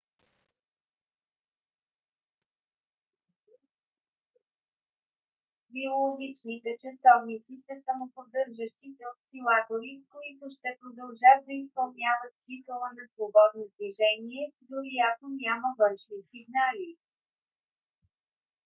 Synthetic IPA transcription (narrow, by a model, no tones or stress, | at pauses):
biolˠoɡʲit͡ʃnit̪ɛt͡ʃɐsɔvnit̪sisəsɐmopod̪ɤɾʒəʃt̪isɛot̪silˠat̪oɾikoit̪ʊʃt̪ɛpɾod̪ɐlˠʒat̪̚d̪ɐispɐlˠnʲavət̪̚t̪sikəlˠənɐsvobɔd̪̚nod̪viʒɛniɛd̪oɾiat̪onʲaməvənʃnisiɡnali